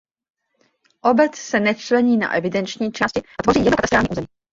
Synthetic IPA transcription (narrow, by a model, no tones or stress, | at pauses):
ʔobɛt͡ssɛnɛt͡ʃlɛɲiːna̰ʔɛvɪdɛnt͡ʃɲiːt͡ʃaːscɪʔat̪vo̞riːjɛnokat̪ɛst̪ɾaːlɲːʔuːzɛmiː